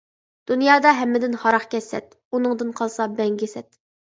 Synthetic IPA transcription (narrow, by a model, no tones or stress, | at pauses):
d̪̥unjɑːd̪ɑɦɛmːɪd̪ɪnhɑɾɑχkʲɛsːɛ̰t̪̚ | unɨŋd̪ɨnqʰɑlˠsɑbɛŋɡʲɪsɛt̪